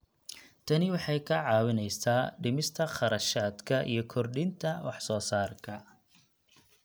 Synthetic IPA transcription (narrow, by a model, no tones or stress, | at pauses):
t̪ʰɐnɪwɑħɑjkʰɐʕɑːwɪnɛjsaːɖɪmɪst̪ʰɐχɑɾɐʃaːd̪kʰɐʔḭjɞkʰɔrɖɪnt̪ʰɐwɑħsɔːsaːrkʰɐ